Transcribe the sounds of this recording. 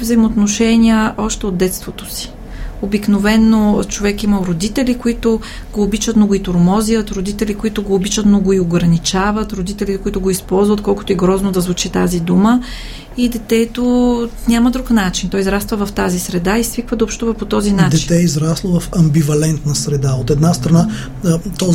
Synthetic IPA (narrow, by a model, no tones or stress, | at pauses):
vzɐjmot̪noʃɛnʲiəʔɔʃt̪ɛod̪d̪ɛt̪st̪vot̪o̥si̥ | obiknovɛnːot͡ʃovɛkiməɾod̪it̪ɛlʲikoit̪o | ɡ̥oːbit͡ʃət̪noɡoit̪oɾmɔziət̪ɾod̪it̪ɛlikoit̪ʊɡoːbit͡ʃət̪noɡoioɡɾɐnit͡ʃavət̪ɾod̪it̪ɛlit̪ɛkʊit̪ʊɡoispɔlˠzvət̪̚kɔlˠkʊ̥t̪oiɡɾɔznod̪ɐzvut͡ʃit̪azid̪umə | id̪ɛt̪ɛt̪onʲaməd̪ɾuknat͡ʃint̪ɔizɾast̪vəvɐft̪azisɾɛd̪aisvikvəd̪ɐopʃt̪uvəpot̪ɔzinat͡ʃd̪ɛt̪ɛizɾaslˠovɐfɐmbivɐlɛnt̪nɐsɾɛd̪aot̪ɛd̪nast̪ɾɐna | t̪ɔz